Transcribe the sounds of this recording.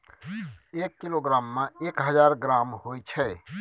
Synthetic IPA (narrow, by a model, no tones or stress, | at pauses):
ekːiloɡɾamːeekɦəd͡ʒaɾɡɾamhojt͡ʃʰɛ